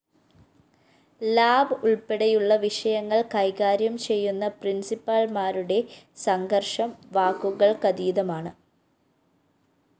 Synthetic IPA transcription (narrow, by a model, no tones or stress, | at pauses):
laːbɨuɭpeɽɐjuɭːɐʋiʂɐjɐŋːɐɭkɐjɣaːɾjɐmt͡ɕe̞jːunːɐprinsipːɐɭmaːɾuɽe̞sɐŋɡɐrʂɐmʋaːkːuɣɐɭkɐd̪iːðɐmaːɳɨ